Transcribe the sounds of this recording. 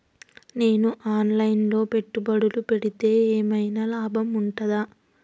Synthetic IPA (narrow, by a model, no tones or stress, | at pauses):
ne̞ːnuʔaːnlɐjnlo̞ːpe̞ʈːubɐɽulupe̞ɽit̪e̞ːeːmɐjnɐlaːbʱɐmuɳʈɐd̪aː